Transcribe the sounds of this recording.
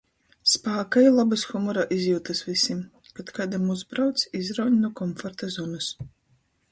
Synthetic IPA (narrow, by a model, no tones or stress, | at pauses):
spaːkajlˠabɨsxumɔɾaʔizʲjuːt̪ɨsvisʲim | pat̪kad̪amuzbɾawt̪sʲizɾawɲʲnuɔkɔmfɔɾt̪azɔnɨs